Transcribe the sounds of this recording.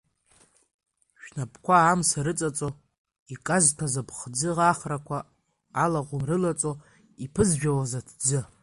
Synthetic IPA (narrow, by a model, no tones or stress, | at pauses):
ʃᶣnapʰkʷʰaːmsaɾɨt͡sʼat͡sʼo | ikʼaztʰazapʰχd͡zɨʁaχrakʷʰaː | laʁʷʊmrɨlat͡sʼo | ipʰɨzʒᶣawazatʰd͡zɨ